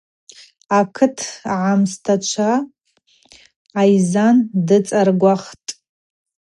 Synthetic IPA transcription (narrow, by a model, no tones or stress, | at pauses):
akʰɨtʰʕamstʰat͡ʃʷʰa | jzandɨt͡sʼarɡʷaχtʼ